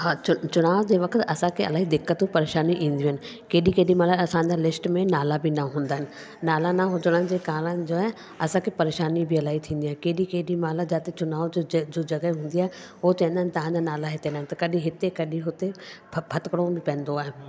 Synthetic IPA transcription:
ɦãːt͡ɕʊt͡ɕʊnaːʋd͡ʑeːʋɐkʰət̪ɐsãkʰeɐ̰laːɦid̪ɪkːət̪pɐɾeːʃaːniʔĩːn̆d̪iɦənɪ̆ | keːɗikeːɗimaːlaɐsãd͡ʑalɪsʈmẽnaːlabinaɦũːnd̪aːɦɪnɪ̆ | naːlanaɦʊd͡ʑəɽ̃ənɪ̆d͡ʑeːkaːɾənd͡ʑoːɦɛ | ɐsãkʰepɐɾeːʃaːnibiɐlaːɦit̪ʰĩːnd̪iaːɦkeːɗikeːɗimaːlad͡ʑaːt̪et͡ɕʊnaːʋd͡ʑoːd͡ʑɐɡəɦũːn̆d̪iaːɦe | ʊɦot͡ɕẽːnd̪aːɪnɪ̆t̪ɐʋ̤ãɲd͡ʑanaːlaɦɪt̪ẽnd̪aːɪ̃nɪt̪ɐkɐɗĩɦɪt̪ekɐɗĩɦʊt̪epʰɐt̪kəɽ̃obɪpɛ̃ːnd̪oaːɦe

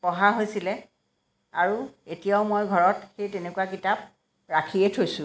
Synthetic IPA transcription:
pɔɦaɦojsilɛ | aɹuetijaʊmojɡʱɔɹɔtxejtenekuwakitap̚ | ɹakʰietʰojsʊ̃

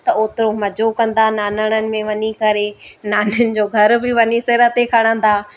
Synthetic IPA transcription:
t̪ɐoːt̪ɪɾomɐd͡ʑokɐ̃nd̪anaːnəɽ̃ənɪ̆mẽʋɐɲikɐɾenaːnɪjʊnɪ̆d͡ʑoːɡʱɐɾbɪʋɐɲisɪɾət̪ekʰɐɽ̃ə̃nd̪aː

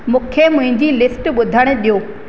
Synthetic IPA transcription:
mũːkʰemʊ̃ɦɪ̃ɲd͡ʑilɪsʈɓʊd̪ʱəɽ̃̆ɗijoː

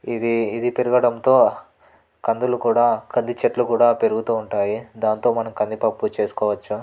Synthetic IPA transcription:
id̪iːd̪ipeɾuɡɐɽɐnt̪o̞ː | kɐnd̪ulukuːɽaːkɐnd̪it͡ʃɐʈlukuːɽaːpe̞ɾuɡut̪uːɳʈaːjid̪aːnt̪o̞ːmɐnɐmkɐnd̪ipɐpːut͡ʃe̞ːsu̥kɔːʋɐt͡ʃːu

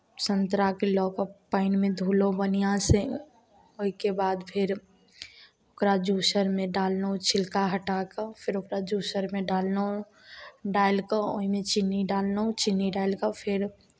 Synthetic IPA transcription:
sə̃nt̪ɾakelɔːkəpaːɪnmẽd̪ʱuːlobənijãse | oɦikebaːd̪pʰɪɾ | okɾad͡ʒusəɾmẽɖaːlnəũt͡ʃʰɪlkaɦəʈakapʰɪɾokɾad͡ʒuːsəɾmẽɖaːlnəũ | ɖaːɪlkao̰ɦimẽt͡ʃɪnːiɖaːlnəũt͡ʃɪnːiɖaːɪlkapʰɪɾ

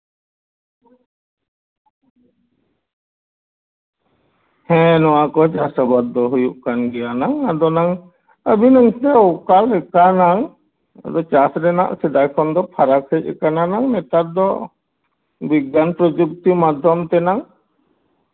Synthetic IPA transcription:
hɛ̃nɔwakɔt͡ʃasabad̪ːɔɦujuʔkanɡɛjanaŋad̪ɔnaŋ | əbinaŋt̪ɛɔkalɛkanaŋ | a̰d̪ɔt͡ʃasɾɛna̰ʔsɛd̪ajkʰɔnd̪ɔpʰaɾakʰəc̚ɛkananaŋnɛt̪at̪̚d̪ɔ | biɡanpɾɔd͡ʒuk̚t̪imad̪ʱjɔmt̪ɛnaŋ

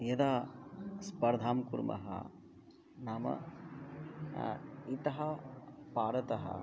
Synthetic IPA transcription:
jɐd̪aːspɐɾd̪ʱaːmkuɾmʔɐ̰ɦɐ̰ | naːmɐ̰ | it̪ɐɦɐpaːɾɐt̪ɐɦɐ̰

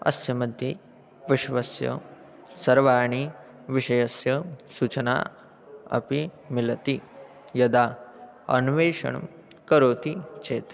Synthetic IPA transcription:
ɐ̰sjɐmɐd̪ʱji | ʋɪʃʋɐsjɐ̰ | sɐɾʋaːɾɳ̃i | ʋɪʃɐjɐsjɐsuːt͡ʃɐna̰ː | ɐ̰pi | mɪlɐt̪i | jɐd̪aː | ɐ̰nuʋeːʃɐ̰ɳṵm | kɐɾoːt̪it͡ʃeːt̪

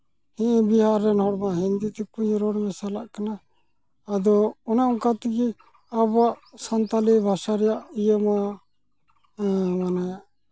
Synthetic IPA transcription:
hɛ̃ʔbiɦaɾːɛnɦɔɽmaɦind̪it̪ɛkuɲɾɔɽmɛsalaʔkanaː | d̪ɔɔnaʔũkat̪iɡɛ | abaʔsant̪alibʱasaɾɛjaʔijəma | manajaʔ

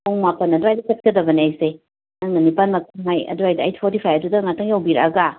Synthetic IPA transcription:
oŋmapɐnːɐdajdɐsɐt̚kɐdɐbɐniajse | nɐŋnɐnipanmɐtʰuŋɦajɐ̰duajdɐa̰jtpʰɔɾtipʰajɐdudɐŋatʰaŋiowbiɾɐɡa

